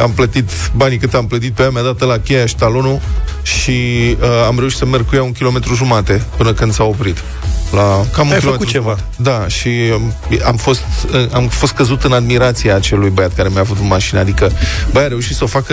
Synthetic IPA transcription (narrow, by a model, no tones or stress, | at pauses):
amplət̪it̪banikɨt̪amplət̪it̪̚peamead̪at̪əlakʲejaʃt̪alonuʃiəamɾe̞uʃi̥t̪səme̞rɡ̚kujauŋkʲilo̞me̞t̪ɾuʒumat̪e̞pɨnəkɨnd̪sao̞pɾit̪ | lakamuŋkjilomeuɾt͡ʃeva | d̪aʃi | amfo̞st̪ɨamfost̪̚kəzut̪ɨnad̪miɾat̪siaːt͡ʃe̞lujbəjat̪̚kaɾe̞mjavut̪ɨnmaʃinəad̪ikəbəjaɾe̞uʃit̪səofakə